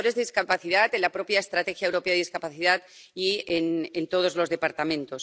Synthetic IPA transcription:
oɾe̞zðeiskapaθiðat̪e̞nlapɾo̞pjaest̪ɾat̪e̞xjaewɾo̞peaðeiskapaθiðat̪ | ienent̪o̞ð̞o̞zlo̞zðe̞paɾt̪amẽ̞nt̪os

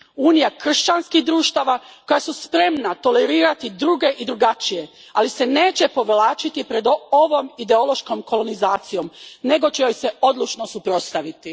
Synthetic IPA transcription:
uːnijakr̩ʃt͡ɕanskixd̪ɾuːʃt̪aʋako̞jasuspɾe̞mnat̪o̞le̞ɾiːɾat̪id̪ɾuɡe̞ʔid̪ɾuɡat͡ʃije̞ | alise̞neːt͡ɕe̞po̞ʋlaːt͡ʃit̪ipɾe̞d̪o̞ʋo̞mid̪e̞o̞lo̞ʃkomko̞lo̞nizaːt̪sijo̞mne̞ɡo̞t͡ɕejojse̞o̞d̪lˠut͡ʃnosupɾo̞t̪st̪aʋit̪i

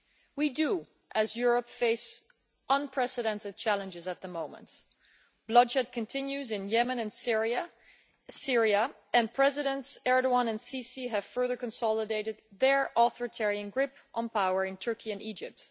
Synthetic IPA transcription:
widu | ʔɨzjʊɹəpfeɪs | ʔʌ̃npʰɹ̥ɛsɨɾɛ̃ntɨd̚t͡ʃʰælˠə̃nd͡ʒɨzɨt̪̚ðəmõʊ̃mə̰̃nt | b̥lʌdd͡ʒɛd̚kʰɨ̃ntʰɪ̃njʉzɨ̃njɛmə̃nɨ̃nsɹiɨ | sɪɹiə | ɨ̃npʰɹ̥ɛzɨɾɨ̃ntsɛɹɾəɑ̃nɨ̃nsisiɨv̥fɜ˞ðə˞kɨ̃nsɑlˠədeɪɾɨd̪̚ðə˞ʔɔθɔɹɨtʰɛɹiɨ̃nɡɹɪpʔə̃npʰaʊə˞ɨ̃ntʰɜ˞kʰiɨ̃nid͡ʒɪp̚t

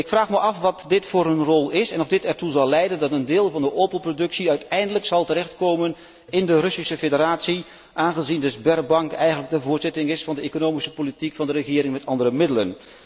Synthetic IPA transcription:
ɪkfraːχməʔɑfʋɑtdɪtfʊːrənrɔlˠɪsɛnɔvdɪtɛɹtuzɑlˠlɛjdəndɑtəndɪːlˠvɑndəʔoːpənprodɵksiœɥtɛjndələksɑlˠtəɾɛxtkowmən | ɪndərɵsisəfedəraːtsi | ʔaːnχəzindəzbɛrbɑŋkɛjxənləɡ̚dəvʊːɹtz̥ɪtɪŋɪsfɑndəekonowmisə̥politikfɑndərəχɪːɾɪŋmɛtɑndərəmɪdələn

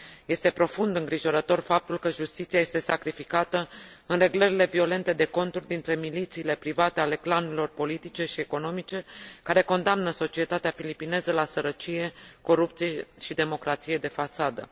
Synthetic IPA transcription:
je̞st̪e̞pɾo̞fund̪ɨŋɡɾiʒo̞ɾət̪o̞rfap̚t̪ulkəʒust̪it̪siaje̞st̪e̞sakɾifikat̪əɨnre̞ɡləɾile̞vio̞le̞nt̪e̞d̪e̞ko̞nt̪urʲd̪int̪ɾe̞milit̪siːle̞pɾivat̪e̞ale̞klanuɾilo̞rpo̞lit̪it͡ʃe̞ʃieko̞no̞mit͡ʃe̞kaɾe̞ko̞nd̪amnəso̞t͡ʃiet̪at̪eafilipine̞zəlasəɾət͡ʃije̞ko̞ɾup̚t̪sije̞ʃid̪e̞mo̞kɾat̪sije̞d̪e̞fat̪sad̪ə̰

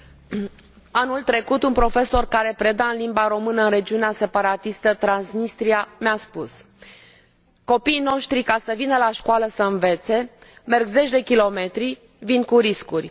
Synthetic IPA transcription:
anult̪ɾe̞kut̪unpɾo̞fe̞so̞rkaɾe̞pɾe̞d̪aɨnlimbaɾo̞mɨnəɨnre̞d͡ʒiunease̞paɾat̪ist̪ət̪ɾansnist̪ɾiamaspus | ko̞piːno̞ʃt̪ɾikasəvinəlaʃkwaləsəɨnve̞t̪se̞me̞rɡze̞t͡ʃʲd̪e̞kʲilo̞me̞t̪ɾi | vinkuɾiskurʲ

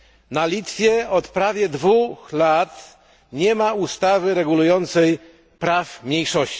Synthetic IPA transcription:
nalʲit̪fʲjɛɔt̪pɾavʲjɛd̪vuxlat̪ | ɲɛmaust̪avɘɾɛɡulujɔnt̪sɛj | pɾafmɲejʂɔɕt͡ɕi̥

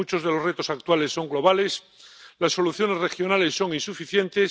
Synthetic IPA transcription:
ut͡ʃo̞zðe̞lo̞zret̪o̞sak̚t̪walesːo̞ŋɡlo̞β̞ale̞s | lasːo̞luθjo̞ne̞zre̞xjo̞nale̞sːo̞ŋinsufiθje̞nt̪e

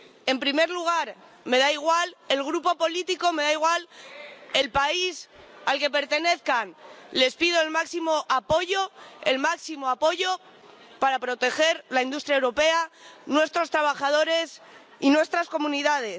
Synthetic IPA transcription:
e̞mpɾime̞ɾluɣ̞aɾ | me̞ðaiɣ̞wale̞lɣɾupo̞po̞lit̪iko̞me̞ðaiɣ̞wal | e̞lpaisalke̞p̬e̞ɾt̪e̞ne̞θkanle̞spiðo̞elmaksimo̞ʔapo̞ʝo̞e̞̰lmaksimo̞apo̞ʝo̞ | paɾapɾo̞t̪e̞xe̞ɾlaind̪ust̪ɾjaewɾo̞pe̞anwe̞st̪ɾo̞st̪ɾaβ̞axað̞o̞ɾe̞s | inwe̞st̪ɾasko̞mũniðað̞e̞s

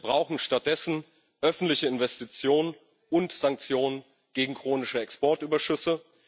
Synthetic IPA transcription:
bʁaʊxn̩ʃtat̚d̥ɛsn̩ | ʔœfn̩tlɪçəɪnvɛstit͡sjoːnən | ʊntz̥aŋk̚t͡sjoːnən | ɡ̥eːɡŋ̩kʁ̥oːnɪʃəɛkspɔɐtʔyːbɐʃʏsə

